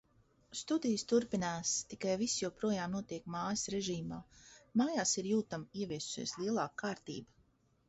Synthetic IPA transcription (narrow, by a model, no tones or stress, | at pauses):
st̪ud̪ijst̪uɾpinaːst̪ikajvisjuwpɾuɔjaːmnuɔt̪iɛkmaːjsɾeʒiːmaːmaːjaːsiɾjuːt̪amiɛvʲiɛsu̥sḭɛslˠiɛlˠaːkʰːaːɾt̪ḭːba